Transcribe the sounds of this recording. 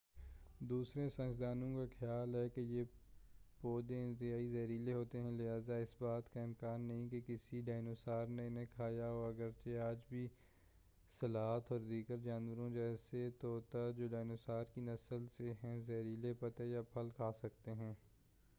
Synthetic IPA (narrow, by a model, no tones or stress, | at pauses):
d̪uːsɾẽsɐ̃nd͡ʒd̪aːnõkaxɪjaːlɦɛkeje | poːd̪eɪ̃nt̪ɪɦaːizɐːɾiːleɦoːt̪eɦɛ̃lɪɦaːzaɪsbaːt̪kaɪmkaːnːɐɦĩkekɪsiɖaːɪnosaːɾneɪnẽkʰaːjaɔːɐɡəɾt͡ʃeaːd͡ʒbʱi | sɐlaːɦt̪ʰɔːɾd̪iːɡəɾd͡ʒaːnwəɾõd͡ʒɛːset̪oːt̪ad͡ʒoːɖaːnosaːɾkinɐsəlseɦɛ̃zɐɾiːlepɐt̪ejapʰɐlkʰaːsɐkt̪eɦɛ̃ː